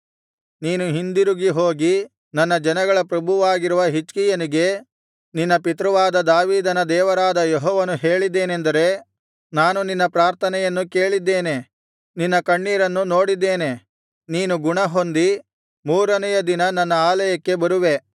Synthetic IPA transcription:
niːnuɦind̪iɾuɡiɦo̞ːɡi | nɐnːɐd͡ʒɐnɐɡɐɭɐpɾɐbʱuʋaːɡiɾuʋɐɦit͡ʃkijɐniɡe̞ | ninːɐpit̪̬ɾɐʋaːd̪ɐd̪aːʋiːd̪ɐnɐd̪ɛːʋɐɾaːd̪ɐjɔɦɔːʋɐnuɦe̞ːɭid̪ːeːnend̪ɐɾe̞ | naːnuninːɐpɾaːɾt̪ʰɐnɛjɐnːuke̞ːɭid̪ːe̞ːne̞ | ninːɐkɐɳːiːɾɐnːuno̞ːɽid̪ːe̞ːne̞ | niːnuɡuɳɐɦo̞nd̪i | muːɾɐnɐjɐd̪inɐnɐnːɐaːlɐjɐkːe̞bɐɾuʋe̞

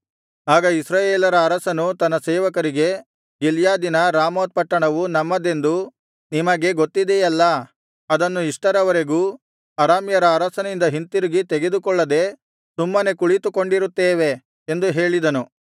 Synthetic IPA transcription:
aːɡɐisɾaːjeːlɐɾɐːɾɐsɐnut̪ɐnːɐsɛːʋɐkɐɾiɡe̞ | ɡiljaːd̪inɐɾaːmoːt̪̚pɐʈːɐɳɐʋunɐmːɐd̪e̞nd̪u | nimɐɡe̞ɡot̪ːid̪ejɐlːɐ | ɐd̪ɐnːuiʂʈɐɾɐʋɐɾeɡuː | ɐɾaːmjɐɾɐːɾɐsɐnind̪ɐɦint̪iɾiɡit̪eɡe̞d̪ukɔɭːɐd̪e̞ | sumːɐne̞kuɭit̪ukoɳɖiɾut̪ːeːʋe̞ː | nd̪uɦeːɭid̪ɐnu

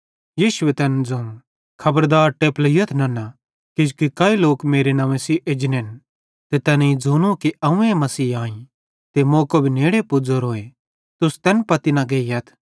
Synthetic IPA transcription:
jiːʃʊwet̪ɛːnd͡zoːnu | kʰɐbəɾd̪aːɾʈeːplijɐt̪ʰnɐnɐ | kɪd͡ʒkikɐːiloːkmeːɾenɐʋẽsiːʔed͡ʒneːn | t̪et̪ɛːneĩd͡zoːnũkiʔɐũemɐsiːãːĩ | t̪emoːkobʱineːɽepʊd͡zoɾoːe | t̪ʊst̪ɛːnpɐt̪inɐɡeːiɐt̪ʰ

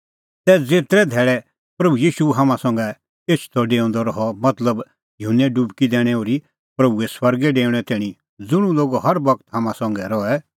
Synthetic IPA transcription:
t̪ɛd͡zeːt̪ɾɛd̪ʱɛːɽɛ | pɾɐbujiːʃuɦaːmãsɐ̃ːŋɡɛ | eːt͡ʃʰu̥t̪ʰɔɖeːɔ̃ːnd̪ɔɾɔɦɔmɐt̪ləb | jʊɦənːɛɖubkid̪ɛːɽ̃ɛoːɾi | pɾɐbuɛswɐɾɡɛɖeːʊ̃ɽ̃ɛt̪eːɽ̃ĩ | d͡zʊɽ̃ũloːɡoɦɐɾbɐkt̪ɦãːmãsɐ̃ːŋɡɛɾɔɛ

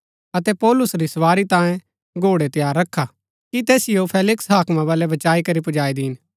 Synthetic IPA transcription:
ɐt̪ɛpɔːlʊsɾisɐʋaːɾit̪ãːjẽ | ɡʱoːɽet̪ɪjaːɾːɐkʰːa | kit̪eːsɪjopʰeːlɪksɦaːkmãβaːlɛbɐt͡ʃaːikɐɾipʊd͡ʒaːid̪ɪɪn

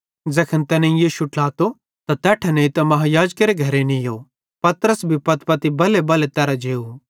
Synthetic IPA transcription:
d͡zɐkʰənt̪ɛːnẽĩjiːʃuʈlaːt̪o | t̪at̪ɛːʈʰɛnẽĩt̪ɐmɐɦajaːd͡ʒkeɾeɡʱɐɾenijo | pɐt̪ɾəsbʱipɐt̪pɐt̪ibɐlebɐlet̪ɛːɾad͡ʒeːu

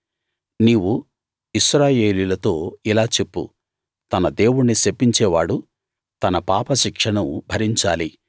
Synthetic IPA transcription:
niːwu | iʃɾaːje̞ːlilɐt̪o̞ːilaːt͡ʃe̞pːṵ | t̪ɐnɐd̪e̞ːwuɽnisepːiɲt͡ʃɛːʋaːɽu | t̪ɐnɐpaːpɐʃikʂɐnubʱɐɾiɲt͡ʃa̰ːli

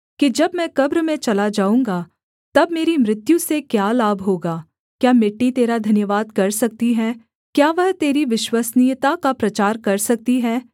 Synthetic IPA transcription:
kid͡ʒɐbmɛ̃ːkɐbɾəmẽt͡ʃɐlad͡ʒaːũːŋɡaː | t̪ɐbmeːɾimɾɪt̪jũsekjaːlaːbʱɦoːɡaː | kjaːmɪʈːit̪eːɾad̪ʱɐnjəʋaːd̪kɐɾsɐk̚t̪iɦɛː | kjaːʋɐɦt̪eːɾiʋɪʃwasnijt̪akapɾɐt͡ʃaːɾkɐɾsɐk̚t̪iɦɛː

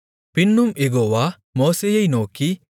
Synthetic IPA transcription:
pinːumeɡɔwa | mɔːsejejnɔki

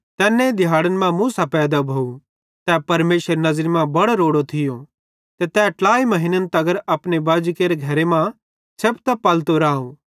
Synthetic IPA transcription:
t̪ɛːnːẽd̪ʱɪjaːɽənmãmũsapɛːd̪abʱou | t̪ɛːpɐɾmeːʃəɾenɐzɾmãbɐɽoɾoːɽot̪ʰɪjo | t̪et̪ɛːʈlaːimɐɦɪnənt̪ɐɡəɾɐpnebaːd͡ʒkeːɾeɡʱɐɾemã | t͡ʃʰɐpt̪ɐpɐlt̪oɾaːõː

